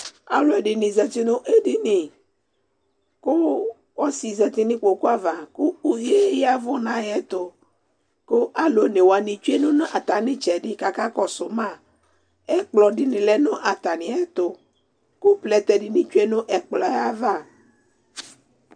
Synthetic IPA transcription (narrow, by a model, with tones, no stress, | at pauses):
a̰˨lo˨ɛ˨ɖi˨nĩ˨zɛ˨t̪i˦nʊ̃˦ʔe˦ɖi˦nĩ˨ | ko˦ | wɔ˦si˨zɛ˨t̪i˦nĩ˦k͡po˨ku˦a˦va˨ku˦u˨je˦ja˦vo˦nã˦jɛ˦t̪o˨ | ko˦ʔa˨lo˨˦nẽ˨wo˨a˨nĩ˨t͡ʃu˦e˦nũ˦ñ˦ʔa˨t̪a˨nĩ˦t͡ʃɛ˨ɖi˦ka˨ka˦kɔ˨so˨mã˦˨ | ɛ˦k͡plɔ˨ɖi˦nĩ˨lɛ˦nʊ̃˦ʔa˨t̪a˨nĩ˨˦ɛ˦t̪o˦ | ku˦plɛ˨t̪ɛ˨ɖi˨nĩ˨t͡ʃu˦e˦nʊ̃˦ʔɛ˨k͡plɔ˨˦ja˦va˦˨